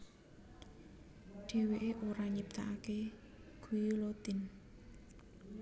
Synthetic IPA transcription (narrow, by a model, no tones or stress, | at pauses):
ɖ̪̥e̤weʔeʔoɾaɲip̚t̪a̰ʔake | ɡ̥ujulot̪ɪ̤n